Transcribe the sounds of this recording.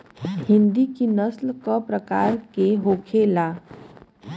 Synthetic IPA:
hɪ̃nd̪ikinəslkəpɾəkaːɾkeɦoːkʰelaː

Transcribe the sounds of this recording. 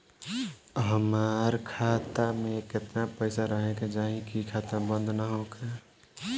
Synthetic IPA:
ɦəmaːɾkʰaːt̪amẽkɪt̪napəɪsaɾəɦẽked͡ʒaːɦĩkikʰaːt̪abə̃nd̪ʱnaɦokʰe

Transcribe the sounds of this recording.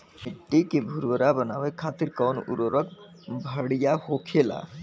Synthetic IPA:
eʈːikebʱuɾʋəɾabənaːwekʰaːt̪iɾkɔːnṵɾoɾək̚ | bʱəɽijahokʰela̰

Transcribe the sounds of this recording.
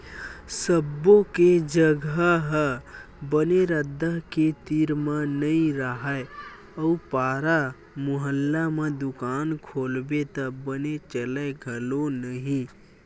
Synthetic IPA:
səbːõked͡ʒəɡəɦə | bəneɾəd̪ʱːəɦket̪iɾmə̃nəĩɾəɦəe | əupaːɾa | mʊɦəlːamẽd̪ʊkaːnkʰoːlbet̪əbənet͡ʃələɡʱəlonəɦĩ

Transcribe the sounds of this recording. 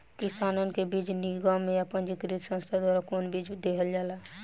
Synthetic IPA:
kisaːnənkebid͡ʒniɡamẽəpənd͡ʒikɾit̪sə̃nst̪ʰad̪waːɾakoːnbid͡ʒd̪ekʰəld͡ʒaːlaː

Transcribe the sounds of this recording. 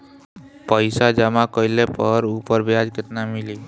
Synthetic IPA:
pəɪsad͡ʒəmakəɪlepəɾupəɾbʱjad͡ʒkɪt̪namili

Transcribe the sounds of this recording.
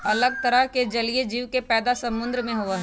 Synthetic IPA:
ɐləɡ̚t̪ɐɾəɦked͡ʒɐlied͡ʒiːʋkepɛːd̪asɐmʊ̃nd̪ɾmẽɦoːəɦɛ

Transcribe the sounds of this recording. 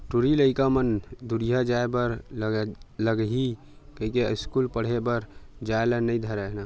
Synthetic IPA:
ʈuɾiləɪkamənd̪uɾijad͡ʒaebəɾ | ləɡɦi | kəɦikeɪskulpəɽ̤ebəɾd͡ʒaelənəid̪ʱəɾəɦna

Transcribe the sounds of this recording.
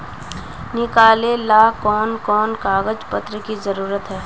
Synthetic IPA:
nɪkaːlelaːkɔːnkɔːnkaːɣəd͡ʒpət̪ɾəkizɐɾuːɾət̪ɦɛː

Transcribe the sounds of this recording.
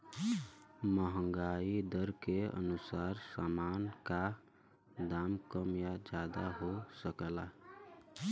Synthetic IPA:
məɦə̃ŋɡaːid̪əɾkeə̰nusaːɾsaːmaːnka | d̪aːmkəmjad͡ʒad̪aɦosəkəla

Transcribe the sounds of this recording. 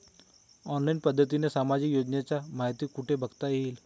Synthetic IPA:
ɔːnlainpəd̪ʱːət̪̬inesaːmad͡ʑɪkjoːd͡ʒnjat͡ɕamaːɦt̪ikːuʈebʱəɡt̪ail

